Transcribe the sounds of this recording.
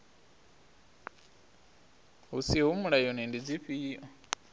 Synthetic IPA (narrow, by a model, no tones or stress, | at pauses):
ɦusiɦumuɺajɔnɛndid͡ziɸiːʔɔ